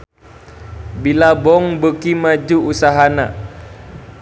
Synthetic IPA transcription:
bilabɔŋbəkimad͡ʒuusaɦana̰ʔ

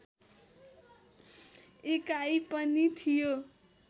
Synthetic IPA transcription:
ekajpʌnit̪ʰijo

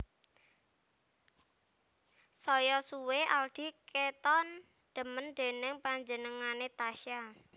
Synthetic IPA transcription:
sɔjɔsuweald̪̥i̤kʰet̪ɔn | d̪̥ə̤mənd̪̥e̤nəŋpaɲd͡ʒənəŋanet̪aʃa

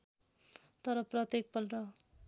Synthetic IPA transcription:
t̪ʌɾʌprʌt̪jek̚pʌlrʌ

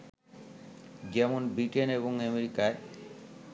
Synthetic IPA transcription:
d͡ʑɛmonbɾiʈeneβoŋemeɾikae

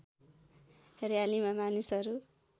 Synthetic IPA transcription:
rejalimamanisʌɾu

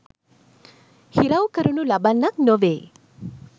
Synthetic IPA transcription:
hiɾawkəɾunulabanːak̚noʋeː

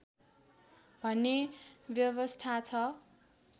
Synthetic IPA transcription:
bʱʌnːebjʌβʌst̪ʰat͡sʰʌ

